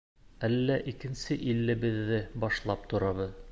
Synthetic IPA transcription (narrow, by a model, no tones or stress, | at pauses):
ælːæʔikɘ̆nsɘʔilːɘ̆βɘ̆ðːɘbɑʃlˠɑp̚t̪ŏɾɑβɤð